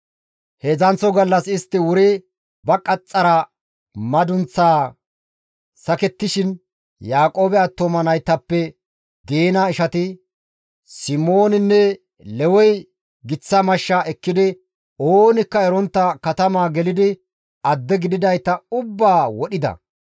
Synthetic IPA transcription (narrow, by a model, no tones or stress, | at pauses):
heːzɐnt͡sːɔɡɐlːɐsɪst̪ːɪwʊɾɛ | bɐkʼɐt͡sʼːɐɾɐ | mɐd̪ʊnt͡sːaː | sɐkɛt̪ːɪʃɪn | jaːkʼo̞ːbɛɐt̪ːomɐnɐjt̪ːɐpːɛ | d̪eːnaːɪʃɐt̪ɪ | sɪmo̞ːnɪnːɛ | lɛwɔj | ɡɪt͡sːɐmɐʃːaːʔɛkːɪd̪ɪ | oːnɪkːɐɛɾɔnt̪ːɐkɐt̪ɐmaːɡɛlɪd̪ɪ | ɐd̪ːɛɡɪd̪ɪd̪ɐjt̪ːɐʊbːaːwɔɗɪd̪ɐ̰